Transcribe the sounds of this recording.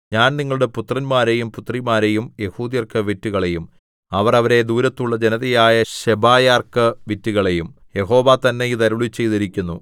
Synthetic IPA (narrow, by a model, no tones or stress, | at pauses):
ɲaːnniŋːɐɭuɽe̞put̪rɐnmaːɾe̞jumput̪ːrimaːɾe̞jumje̞huːd̪jɐrkɨʋitːuɣɐɭe̞jum | ɐʋɐrɐʋɐɾe̞d̪uːɾɐt̪ːuɭːɐd͡ʑenɐðɐjaːjɐɕebaːjaːrkɨʋitːuɣɐɭe̞jum | je̞ɦo̞ːʋat̪ɐnːeit̪ɐɾuɭit͡ɕːe̞jt̪iɾikʲːunːu